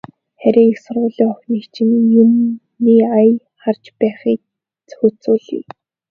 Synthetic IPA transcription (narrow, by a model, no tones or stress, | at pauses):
χæɾʲiːŋixsʊrʁʊːɮiːŋɔxʲniːkt͡ɕʰɪ̆njum | iːaj | χart͡ɕpæːχiːk | t͡sɵ̥xɵt͡sʊːɮḭː